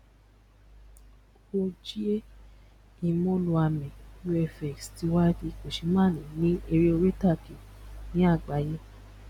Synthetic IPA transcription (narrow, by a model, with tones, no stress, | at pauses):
o˧d͡ʒi˦e˦ | i˧mo˦lũ˧a˧mɛ̃˨u˦ɛ˧fɛ˨ksti˨˧˦wa˦ki˧ko˨ʃi˧mãː˦˨nĩ˨˦nĩ˦e˧ɾi˦o˧ɾe˦ta˦˨ki˨nĩ˨˦a˦˨ɡ͡ba˨˦jĩ˧˦